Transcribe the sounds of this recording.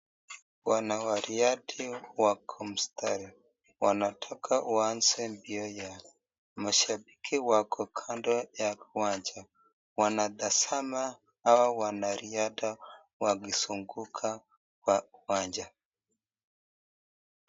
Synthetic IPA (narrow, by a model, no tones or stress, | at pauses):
wanawaɾiadiwakʰɔm̩stʰaɾɛ | wanatʰakʰawansɛmbiɔja | maʃabikʰiwakʰɔkʰandɔjawaɲd͡ʒa | wanadasamaː | wawanaɾiada | waɡisuŋɡukʰa | wawaɲd͡ʒa